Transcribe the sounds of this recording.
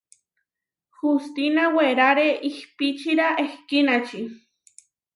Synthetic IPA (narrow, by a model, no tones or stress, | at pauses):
xust̪inaweɾaɾeʔihpit͡ʃiɾaʔehkinat͡ʃi